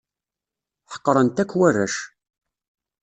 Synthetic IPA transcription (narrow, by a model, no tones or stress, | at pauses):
ħə̥qːɾˤənt̪ækːwærːæ̰ʃ